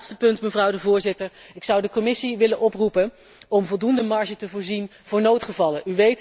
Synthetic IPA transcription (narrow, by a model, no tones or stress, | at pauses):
tstəpɵntməvrʌwdəvʊːɹzɪtəɹɪksʌwdəkɔmɪsiʋɪlənʔɔprupən | ɔmvɔlˠdundəmɑɹʒətəvʊːɹzin | vʊːɹnowtχəvɑləʔyʋejt